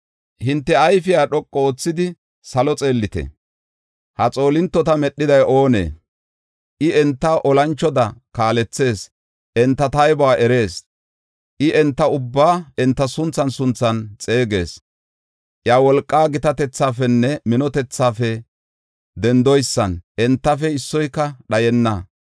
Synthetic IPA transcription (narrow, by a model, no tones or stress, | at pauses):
hɪnt̪ːɛɐjfɪjaːɗɔkʼːooːt͡sːɪd̪ɪ | sɐlɔt͡sʼe̞ːlːɪt̪ɛ̰ | hɐt͡sʼo̞ːlɪnt̪ːɔt̪ɐmɛɗːɪd̪ɐjʔo̞ːnḛː | ʔɪɛnt̪ːɐʔɔlɐnt͡ʃːɔd̪ɐkaːlɛt͡sːe̞ːs | ʔɛnt̪ːɐt̪ɐjbɔaːʔɛɾe̞ːs | ʔɪʔɛnt̪ːɐʊbːaːɛnt̪ːɐsʊnt͡sːɐnsʊnt͡sːɐnt͡sʼe̞ːɡe̞̰ːs | ʔjaːwɔlkʼːaːɡɪt̪ɐt̪ɛt͡sːaːfɛnːɛmɪnɔt̪ɛt͡sːaːfɛ | d̪ɛnd̪ɔjsːɐnʔɛnt̪ːɐfɛɪsːɔjkːɐɗɐjɛnːɐ